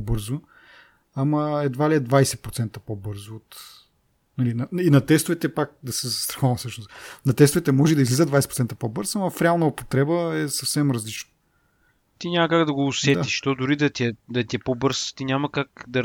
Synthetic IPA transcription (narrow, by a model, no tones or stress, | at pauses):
bɤɾzo | ɐmɐɛd̪valiɛd̪vajsɛpɾot̪sɛnt̪əpobɤɾzoːt̪ | nɐlinɐinɐt̪ɛst̪ʊvɛt̪ɛpak̚d̪ɐsɛzɐst̪ɾɐ̥xɔvɐmsɤəʃnost̪nɐt̪ɛst̪ʊvɛt̪ɛmɔʒɛd̪ɐizlizəd̪vajsɛ̥pɾot̪ɛnt̪əpobɤɾzɐmɐfɾɛalˠnɐopo̥t̪ɾɛbəɛsɐfsɛmɾɐzlit͡ʃnə | t̪inʲamɐkaɡd̪ɐɡoːsɛt̪iʃʃt̪ɔd̪ʊɾid̪ɐt̪iɛd̪ɐt̪ʲiɛpobɤɾst̪inʲamɐkakd̪ɐ